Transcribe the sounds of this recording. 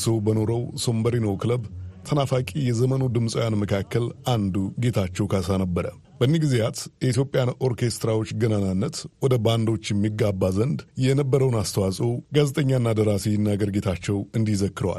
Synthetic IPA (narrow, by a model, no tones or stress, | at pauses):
səwbəno̞ɾəwso̞mbəɾinowkʰɨləbt̪ʰənafakʼijɛzəmənud̪ɨmsʼəwjanməkʰakːəlʔand̪uɡe̞t̪ʰat͡ʃːɛwkʰasanəbːəɾə̰ | b̥ənːiɡɨzejat̪jɛit̪jo̞pʼjano̞ɾkʰe̞st̪ɾawo̞t͡ʃːɡənananːət̪wɔd̪əband̪o̞t͡ʃːjɛmːiɡːabːazənd̪jɛnəbːəɾəwnast̪ʰəwasʼəwɡazet̪ʼəɲːanːad̪əɾasijɪnːaɡəɾɡe̞t̪ʰat͡ʃːɛwɨnd̪izəkːɨɾəwa̰l